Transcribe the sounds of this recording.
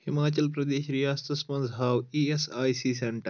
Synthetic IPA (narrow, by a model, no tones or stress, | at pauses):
himaːt͡ʃɐlpɾɐd̪eːʃɾijaːst̪ɐsmɐ̃nzɦaːwiːesaːjsiːseɳʈɐɾ